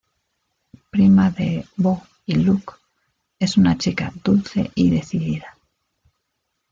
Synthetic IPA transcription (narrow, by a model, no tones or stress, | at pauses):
pɾimaðeβo | iluk | e̞sunat͡ʃika̰ðulθe̞̰ʔiðe̞θiðiða